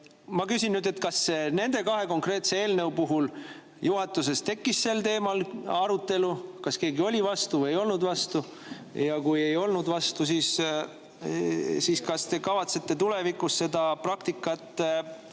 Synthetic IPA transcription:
mɑkysʲinnyːd̪̥e̞t̪kɑsene̞nd̪e̞kɑɦe̞ko̞ŋkre̞ːt̪se̞eːlneupuɦul | juɦɑt̪ːˑus̬e̞st̪e̞kːisse̞lt̪e̞ːmɑlɑɾut̪ːˑe̞lukɑske̞ːɡio̞lʲivɑst̪uveejo̞lnud̪vɑst̪u | jɑkuje̞jo̞lnud̪vɑst̪us̬iːs | siːskɑst̪e̞kɑvɑt̪se̞t̪ːe̞t̪ulevikːˑusse̞d̪̥ɑprɑkt̪ikːˑɑt̪ːˑ

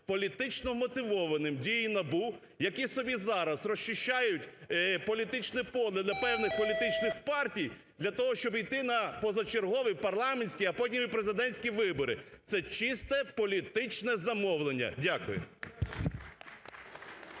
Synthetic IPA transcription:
pɔlʲit̪ɪt͡ʃnɔmɔt̪ɪʋɔʋɐnɪmdʲijinɐbu | jɐkʲisɔbʲizɑɾɐsrɔʃt͡ʃɪʃt͡ʃːajʊtʲpɔlʲit̪ɪt͡ʃnɛpɔlˠɪd̪lʲɐpɛwnɪxpɔlʲit̪ɪt͡ʃnɪxpɑrtʲij | d̪lʲɐt̪ɔɦɔʃt͡ʃɔbijt̪ɪnɐpɔzɐt͡ʃerɦɔʋɪpɐrlˠɑmenʲsʲkʲijɐpɔdʲnʲimipɾezɪd̪ɛnʲsʲkʲiʋɪbɔɾɪ̰t̪sɛt͡ʃist̪ɛpɔlʲit̪ɪt͡ʃnɛzɐmɔwlˠenʲːɐ̰dʲakʊjʊ̰

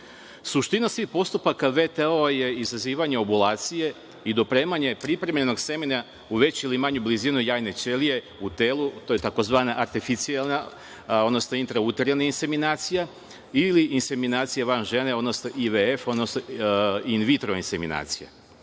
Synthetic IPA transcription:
suʃt̪inasʋihpo̞st̪upakaʋe̞t̪eoje̞izaziːʋaɲe̞obulˠaːt̪sije̞ | id̪o̞pɾe̞ːmaɲe̞pɾipɾe̞mʎeno̞ɡse̞mina | uʋe̞t͡ɕilimaɲublizinojaːjne̞t͡ʃe̞lije̞ | ut̪eːlut̪oːjet̪ako̞zʋaːnaʔaɾt̪ifit̪sialˠna | od̪no̞snoint̪ɾaut̪eɾjanainse̞minaːt̪sija | iliʔinse̞minaːt̪sijaʋanʒe̞ne̞o̞d̪no̞snoʔiʋeefo̞d̪nosnoinʋit̪ɾo̞insemḭna̰ːt̪sija̰

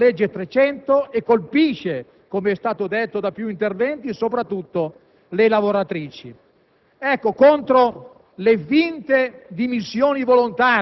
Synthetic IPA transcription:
led͡ʒːet̪ɾet͡ʃɛnt̪oekːolpiʃe | komeɛst̪aːt̪od̪et̪ːod̪apjuint̪ervɛnt̪isopɾat̪ːut̪ːo | lelavoɾat̪ɾiːt͡ʃḭ | ɛkːokont̪ɾo | levint̪ed̪imisːjoːnivolont̪aː

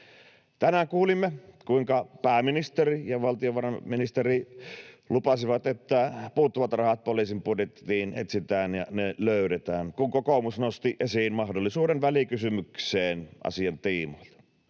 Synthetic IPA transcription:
t̪ænæŋkuːlimːekuiŋkɑpæːminist̪erijɑʋɑlt̪ioʋɑrɑminist̪eri | lupɑsiʋɑt̪et̪ːæpuːt̪ːuʋɑt̪rɑhɑt̪̚poliːsimpudet̪ːiːnḛt̪sit̪æːnjɑneløˑyɾet̪æːnkuŋkokomusnost̪iʔesiːnmɑhdolːisuːdenʋælikysymykseːnʔɑ̰siɑnt̪iːmoilt̪ɑ̥

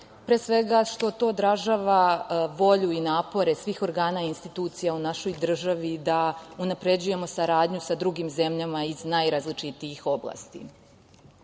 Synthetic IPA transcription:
pɾesʋe̞ɡaʃt̪o̞t̪o̞ːd̪ɾaʒaːʋaʋo̞ʎuinaːpo̞ɾe̞sʋiːxo̞ɾɡaːnainst̪it̪uːt̪sijaunaʃo̞jd̪r̩ʒaʋid̪aunapɾe̞d͡ʑuje̞mo̞saɾaːd̪ɲusad̪ɾuɡimze̞mʎamaiznajɾazlit͡ʂit̪iixo̞blˠa̰ːst̪ḭ

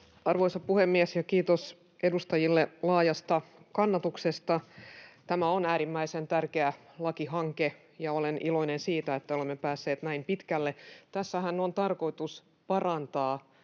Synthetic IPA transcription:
ɑrʋoisɑpuhemːiesjɑkiːt̪os | ʔedust̪ɑjilːelɑːjɑst̪ɑkɑnːɑt̪uksest̪ɑt̪æmæonæːɾimːæisent̪ærkeælɑkiɦɑŋke | jɑolenilo̞inensiːt̪æet̪ːæolemːepæːsːe̞ːt̪næimpit̪kælːet̪æsːæɦænːont̪ɑrko̞it̪us | pɑrɑnt̪ɑː

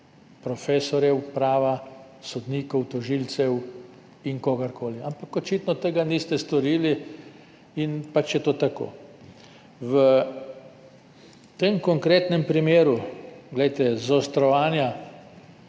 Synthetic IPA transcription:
pɾɔfeːsɔɾjɛwpɾaːʋa | sɔd̪niːkɔwt̪ɔʒiːlt̪sɛw | inkoɡaɾkoːliampakɔt͡ʃit̪nɔt̪eɡaniːst̪ɛst̪ɔɾiːli | inpat͡ʃjɛt̪oːt̪ako̰ː | ʋə | t̪emkɔŋkɾeːt̪nɛmpɾimeːɾuɡlɛjt̪ɛzaɔst̪ɾɔʋaːnja

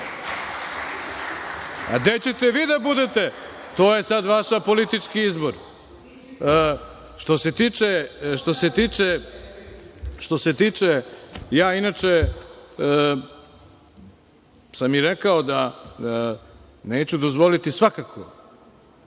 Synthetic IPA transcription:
a̰d̪et͡ɕet̪eʋiːd̪abud̪et̪e̞t̪oːjesad̪ʋaʃapo̞lit̪it͡ʂkiizboɾ | ʃt̪o̞se̞t̪iːt͡ʂeʃt̪o̞se̞t̪iːt͡ʂe | ʃt̪o̞set̪iːt͡ʂejaːinat͡ʃe | samiɾekaod̪a | neːt͡ɕud̪ozʋo̞lit̪isʋakakʰo̰

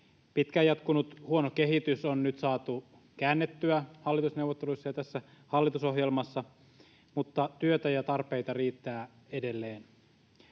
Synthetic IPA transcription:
pit̪kæjɑt̪kunut̪huo̞noke̞ɦit̪ysonnyt̪sɑːt̪u | kæːnːet̪ːyæhɑlːit̪usne̞uʋot̪ːelujsːɑjɑt̪æsːæ | hɑlːit̪uso̞ɦjelmɑsːɑ | mut̪ːɑt̪yøt̪æjɑt̪ɑrpe̞it̪ɑriːt̪ːæː | e̞delːe̞ːn

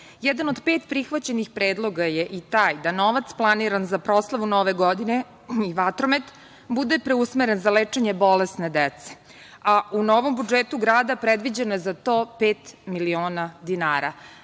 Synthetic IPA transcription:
jɛd̪anod̪peːt̪pɾixʋat͡ɕe̞nixpɾeːd̪lˠo̞ɡajeʔit̪aːjd̪anoʋat̪splˠaniɾanzapɾo̞slˠaʋunoʋeɡod̪ine | iʋat̪ɾomet̪ | bud̪epɾeusmeɾenzalet͡ʂeɲe̞bo̞lesned̪et̪se | aunoʋo̞mbud͡ʒeːt̪uɡɾaːd̪apɾed̪ʋid͡ʑenojezat̪oːpeːt̪milio̞ːnad̪inaːɾa

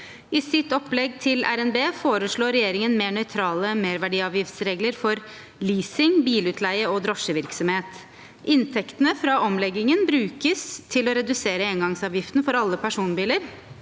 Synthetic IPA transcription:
ɪsɪt̪ɔpːlɛɡt̪ʰɪlæ̰ɾɛnbeːfoːɾəʂɭoːɾɛjeːɾɪŋənmeːɳœʏt̪ʰɾɑːləmeːɾʋæɖiːɑːʋjɪft̪sɾeːɡləɾfɔɾ | liːsɪŋbiːlʉːt̪ʰlæɪəɔd̪ɾɔʂəʋɪɾksɔmheːt̪ | ɪnt̪ʰɛkt̪ənəfɾɑʔɔmlɛɡːɪŋənbɾʉːkəst̪ʰɪlɔɾɛd̪ʉseːɾəeːnɡɑŋsɑːʋjɪft̪n̩fɔɾɑlːəpʰæʂuːnbiːləɾ

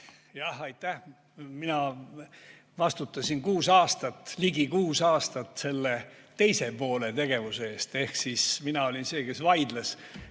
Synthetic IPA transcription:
jɑhɑjt̪ːæh | minɑ | vɑst̪ut̪ːˑɑsʲinkuːsɑːst̪ɑt̪ːliɡikuːsɑːst̪ɑt̪ːse̞lːe̞ | t̪e̞jse̞po̞ːle̞t̪e̞ɡ̥e̞vusee̞ːst̪e̞hksisminɑo̞lʲinse̞ːke̞svɑjd̪les

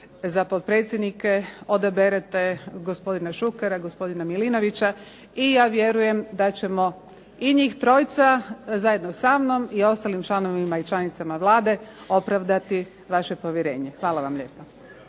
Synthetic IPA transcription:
zapod̪̚pɾe̞ːt̪sjed̪nike̞o̞d̪abeɾet̪e̞ɡospo̞d̪inaʃukeɾaɡo̞spo̞d̪inamilino̞ʋit͡ɕa | ijaːʋjeɾuje̞md̪at͡ɕe̞mo̞ | iɲiːxt̪ɾo̞ːjt̪sazaje̞d̪nosamno̞mio̞st̪alimt͡ʃlˠano̞ʋʋimait͡ʃlˠanit̪samaʋlˠaːd̪e̞o̞pɾaʋd̪at̪i | ʋaʃe̞po̞ʋjeɾe̞ːɲe̞xʋaːlaʋamʎe̞̰ːpa

